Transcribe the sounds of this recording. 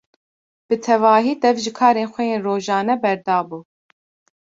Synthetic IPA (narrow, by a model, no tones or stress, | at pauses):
b̥ɨt̪ʰɛvɑːɦiːd̪ɛvʒɨkʰɑːɾeːnxʷɛjeːnroːʒɑːnɛbɛɾd̪ɑːbuː